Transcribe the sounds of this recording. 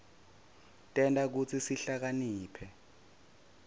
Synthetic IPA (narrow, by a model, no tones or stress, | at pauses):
tʼɛntʼak̬ut͡sʰisiɬak̬aniːpʰɛ